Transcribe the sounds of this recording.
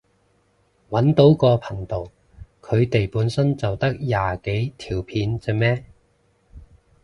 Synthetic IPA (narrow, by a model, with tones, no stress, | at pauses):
wɐ˨˥nt̪o˨˥wkɔː˧pʰɐ˨˩ŋt̪o˨˩w | kʰɵ˨˧ɥt̪e˨jpuː˨˥nsɐ˥nt͡sɐ˨wt̪ɐ˥k̚jaː˨ke˨˥jt̪ʰiː˨˩wpʰiː˨˥nt͡sɛ˨˧mɛː˥